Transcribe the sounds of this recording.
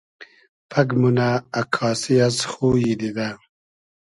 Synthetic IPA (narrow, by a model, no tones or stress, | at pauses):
pʰɐɡmunaːkʰɑːsijasxuːjid̪id̪a